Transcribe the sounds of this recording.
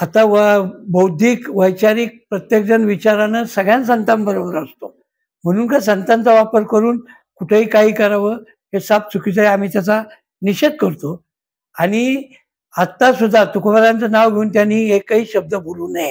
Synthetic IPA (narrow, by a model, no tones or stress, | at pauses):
at̪aʋbəwd̪ʱiːkʋəjt͡ɕaɾiːk̚pɾət̪jek̚d͡ʑənʋit͡ɕaɾanəsəɡɭjãns̬ənt̪ambəɾobəɾast̪o | m̤əɽ̃uːnkas̬ənt̪ant͡saʋapəɾkəɾuːn | kuʈʰeɦiːkaɦiːkəɾaʋə | ɦesap̚t͡sʰukit͡səjam̤iːt̪jat͡sa | niɕed̪̚kəɾt̪o | aɽ̃i | at̪ːasud̪ʱːat̪ukʋəɾãnt͡sənaʋɡʱeuːnt̪janːiːekːaɦiːɕəb̚d̪əboluːnaɦe